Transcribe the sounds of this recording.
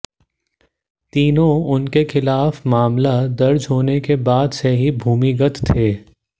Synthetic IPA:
t̪iːnõʊnkexɪlaːfmaːmlad̪ɐɾd͡ʒɦoːnekebaːd̪seɦibʱuːmiɡət̪t̪ʰːeː

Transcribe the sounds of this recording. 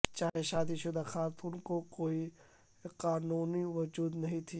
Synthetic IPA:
t͡ʃaːɦeʃaːd̪iʃʊd̪axaːt̪unkokoːi | qaːnuːniʋɐd͡ʒuːd̪nɐɦĩt̪ʰi

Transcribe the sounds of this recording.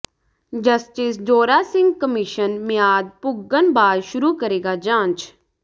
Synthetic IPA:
d͡ʒəsʈɪsd͡ʒoːɾaːsɪ̃ŋɡ̚kəmiʃənmɪjaːd̪̚pʊɡːənbaːd̪ʃʊɾukəɾeːɡad͡ʒãːnt͡ʃ

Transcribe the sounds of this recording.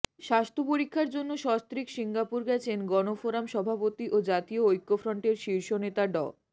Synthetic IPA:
ʃast̪ʰopoɾikʰːaɾd͡ʑonːoʃɔst̪ɾikʃiŋɡapuɾɡɛt͡ɕʰenɡɔnofoɾamʃɔbʱapot̪iʔod͡ʑat̪ioojkːofɾɔɳʈeɾʃiɾʃonet̪aɖɔ

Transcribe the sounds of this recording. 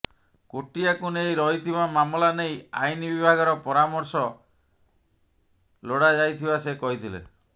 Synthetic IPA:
koʈiakunejɾɔɦit̪ʰibamamlaneja̰jnibibʱaɡɔɾɔpɔɾamɔɾsɔ | loɽad͡ʒajt̪ʰibasekɔɦit̪ʰilḛ

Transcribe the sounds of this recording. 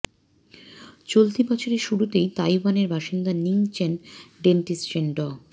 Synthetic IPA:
t͡ɕolt̪ibɔt͡ɕʰoɾeʃuɽut̪ejt̪ajwaneɾbʱaʃind̪aniŋt͡ɕʰenɖenʈist͡ɕenɖɔ

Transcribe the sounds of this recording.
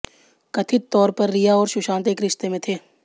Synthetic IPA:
kɐt̪ʰɪt̪t̪ːɔːɾpɐɾːɪjaɔːɾʃʊʃãːnt̪eːkɾɪʃt̪emẽt̪ʰeː

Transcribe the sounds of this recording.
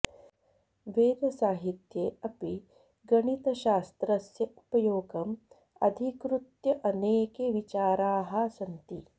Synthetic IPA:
ʋeːd̪ɐsaːɦit̪jeːɐpi | ɡɐɳit̪ɐʃaːst̪ɾɐsjɐu̥pɐjoːɡɐm | ɐ̰d̪ʱikɾut̪jɐʔɐneːkeʋit͡ʃaːɾaːɦɐ̆sɐnt̪i

